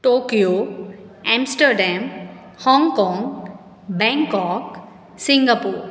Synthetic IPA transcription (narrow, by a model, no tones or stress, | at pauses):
ʈoːkijo | ɛ̃msʈəɾɖɛ̃m | hɔ̃ŋɡkɔ̃ŋɡ | bɛ̃ŋkɔːk | sĩŋɡapuːɾ